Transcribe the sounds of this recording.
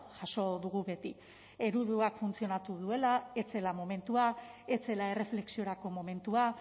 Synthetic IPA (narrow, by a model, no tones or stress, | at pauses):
ʝaso̞ðuɣ̞uβe̞t̪i | e̞ɾuðuakfunt͡sio̞nat̪uðue̞lae̞t͡se̞lamo̞me̞nt̪uae̞t͡se̞lae̞re̞fle̞ksio̞ɾako̞mo̞me̞nt̪ua